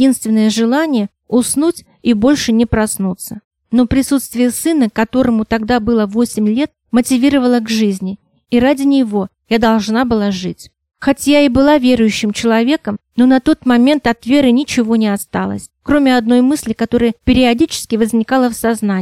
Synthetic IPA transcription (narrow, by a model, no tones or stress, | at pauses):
inst̪vʲɪnːəjəʐɨlˠanʲɪjə | ʊsnutʲ | ibo̞lʲʂɨnʲɪpɾɐsnut̪sə | no̞pɾʲɪsut̪st̪vʲɪjəsɨnəkɐt̪o̞ɾəmʊt̪ɐɡd̪abɨlˠəvo̞sʲɪmʲlʲe̞t̪̚ | mətʲɪvʲiɾəvəlˠəɡʐɨzʲnʲɪ | iɾadʲɪnʲɪvo̞ | jad̪ɐlˠʐnabɨlˠaʐɨtʲ | xɐtʲjaɪbɨlˠavʲeɾʊjʉɕːɪmt͡ɕɪlˠɐvʲe̞kəmno̞nɐt̪o̞t̪mɐmʲe̞nt̪ɐt̪vʲe̞ɾɨnʲɪt͡ɕɪvo̞nʲɪɐst̪alˠə̰sʲkɾo̞mʲɪɐd̪no̞jmɨsʲlʲɪkɐt̪o̞ɾəjəpʲɪɾʲɪɐdʲit͡ɕɪ̥skʲɪvəzʲnʲɪkalˠəfsɐzna